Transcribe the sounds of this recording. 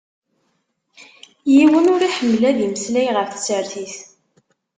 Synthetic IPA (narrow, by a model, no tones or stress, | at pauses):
jiwənʊɾiħəmːlæðiməslæjʁəfθə̥t͡sːəɾθiθ